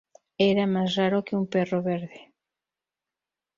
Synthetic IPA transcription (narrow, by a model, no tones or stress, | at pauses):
ɛɾamajsraɾokɪumpɛroβeɾðe